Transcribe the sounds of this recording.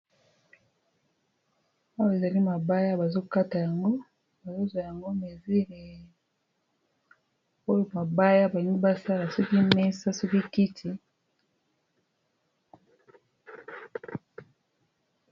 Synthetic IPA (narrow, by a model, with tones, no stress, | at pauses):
a˦wo˨e˨za˨li˦ma˨ba˦ja˦ba˨zo˦ka˦ta˨ja˨ŋɡo˦ | ba˨zo˦zwa˨ja˨ŋɡo˦me˨zi˦le˨ | o˦jo˨ma˨ba˦ja˦ba˨ji˨˦ŋɡi˦ba˦sa˦la˨so˦ki˦me˦sa˦so˦ki˦ki˦tʰi˨